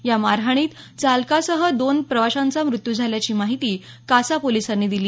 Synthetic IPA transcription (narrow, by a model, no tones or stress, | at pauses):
jamaɾɦaɽ̃iːt̪ | t͡salkasəɦəd̪onpɾəʋaɕant͡samɾut̪jud͡zʱaljat͡ɕiːmaɦit̪iː | kasapolisanːiːd̪iliː